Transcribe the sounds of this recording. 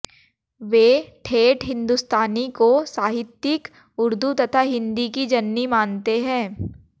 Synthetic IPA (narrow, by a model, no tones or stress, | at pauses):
ʋeːʈʰeːʈɦɪ̃nd̪ust̪aːnikosaːɦɪt̪jɪk | ʊɾd̪ʱut̪ɐt̪ʰaɦɪ̃nd̪ikid͡ʒɐnːimaːnt̪eɦɛ̃ː